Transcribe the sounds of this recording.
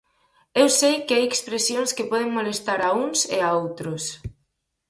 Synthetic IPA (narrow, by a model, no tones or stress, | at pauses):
ewsejkɪajekspɾesjoŋskepɔð̞eŋmolest̪aɾauŋsḛaowt̪ɾʊs